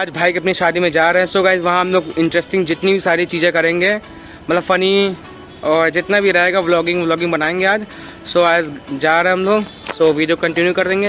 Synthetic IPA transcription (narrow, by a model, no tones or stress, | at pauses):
aːd͡ʒbʱaːikɐp̬niʃaːd̪imẽd͡ʒaːɾɐɦɛ̃soːɡaːɪzʋɐɦãɦɐmloːɡɪ̃ɳʈɾesʈɪ̃ŋɡd͡ʒɪt̪nibʱisaːɾit͡ʃiːd͡ʒẽkɐɾẽːŋɡeː | mɐt̪ləbfɐni | ɔːɾd͡ʒɪt̪nabʱiɾɐɦeːɡaʋlɔːɡɪ̃ŋʋlɔːɡɪ̃ŋbɐnaːẽːŋɡeaːd͡ʒ | soaːd͡ʒd͡ʒaːɾɐɦɛɦɐmloːɡ | soːʋiɖijokɐ̃ɳʈɪnjukɐɾd̪ẽːŋɡeː